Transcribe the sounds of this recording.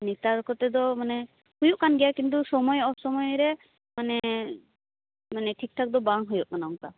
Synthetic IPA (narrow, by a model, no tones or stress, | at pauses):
nit̪aɾkɔt̪ɛd̪ɔmanɛ | hujuʔkanɡɛjakint̪̬usɔmɔjɔsɔmɔjɾɛ | manɛ | manɛʈʰik̚ʈʰak̚d̪ɔbaŋɦujuʔkanaŋka